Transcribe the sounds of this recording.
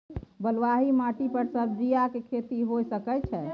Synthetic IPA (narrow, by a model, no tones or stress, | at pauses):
bəlʋaɦimaʈipəɾsəɾd͡ʒijakekʰet̪iɦojsəkɛt͡ʃʰɛ